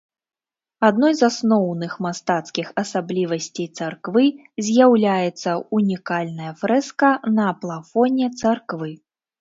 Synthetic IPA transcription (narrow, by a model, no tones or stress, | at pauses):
ad̪nɔjzasnɔwnɨxmast̪at̪skʲixɐsablʲivɐsʲt͡sʲejt̪sarkvɨ | zʲjawlʲajɛt̪sːɐunʲikalʲnɐjɐfɾɛskɐnɐplˠafɔnʲɛt̪sarkvɨ